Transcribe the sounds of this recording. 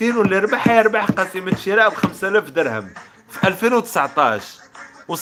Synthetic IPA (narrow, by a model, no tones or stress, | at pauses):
iɾlːiɾˤbaħajəɾˤbaħqɑsimət̪ʃiɾɑʔwxæmsælæfd̪əɾhə̰m | fiʔælfinwt̪ə̥sʕt̪ˤɑʃ | wəs